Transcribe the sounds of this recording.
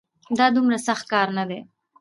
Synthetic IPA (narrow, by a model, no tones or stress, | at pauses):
d̪ɑd̪ʊmɾasaxt̪̚kɑːɾnad̪e